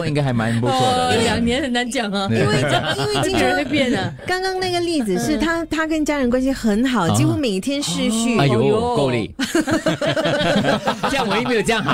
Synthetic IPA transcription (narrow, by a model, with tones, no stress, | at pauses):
i˥ŋka˥ɪxa˧˥ɪma˧˥nə˨npɔ˥u˥˩ljɑ˨˩ŋnjɛ˧˥nxə˨˩nna˧˥nt͡ɕjɑ˨˩ŋɐ˦i˥nwe˥˨ŋwe˥˩t͡ɕi˥˧˥e˥˧pjɛ˥˩nə˩kɑ˥ŋkɑ˥ŋna˥˩ɡə˩li˥˩d͡zɹ̩˨˩ʂɻ̩˥˩t̪ʰa˥t̪ʰa˥kə˥nt͡ɕja˥ɻə˧˥nkwa˥nɕsi˧xə˧˥nxɑ˨˩ʊ˧t͡ɕi˥xu˥me˨˩ɪi˥t̪ʰjɛ˥nʂɻ̩˥˧ɕy˥˧˩jo˧˦ko˥˧ʊlḭ˥˩ | t͡ɕjɑ˥˩ŋwɔ˨˦i˥˩me˥jo˨˩ʈ͡ʂə˥jɑ˥˩